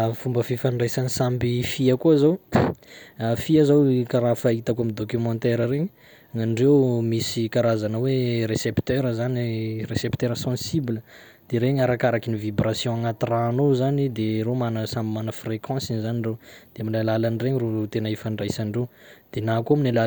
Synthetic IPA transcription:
fumbəfifaɳɖ͡ʐajsanisambifiakuzaw | afiazawkaɾafait̪akamid̪okymɑ̃t̪ɛɾəɾeɲi | ŋaniɖ͡ʐewmisikaɾazanəweɾesept̪ɛɾəzaniresept̪eɾəsɑ̃siblə | d̪̥eɾeɲaɾakaɾakinivibrasjɔ̃aŋat̪iraːnozanid̪eɾomanəsãmbimanəfrekɑ̃sinzaniɳɖ͡ʐed̪̥eamilalalanireɲirot̪enəifãɳɖ͡ʐajsanrewd̪̥enakaminala

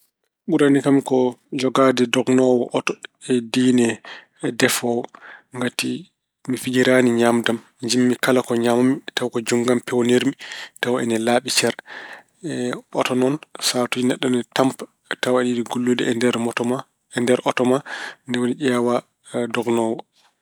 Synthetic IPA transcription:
ɓuɾanikamkɔd͡ʒɔɡadɛdɔɡnɔwɔ̰ʔɔtɔɛdinɛ | dɛfɔwŋɡati | mifid͡ʒiɾaniɲamdam | d͡ʒimːikalakɔɲamamitawkɔd͡ʒuŋɡampɛwniɾmitawɛ̰nɛlaɓit͡ʃɛɾ | ɛɔ̰tɔnɔnsatud͡ʒinɛɗːɔnɔtamp | tawɛnidiɡulːodiɛdɾta | ɛndɛɾʔɔtɔmandɛwoniɗɛwa | dɔɡnɔwɔ

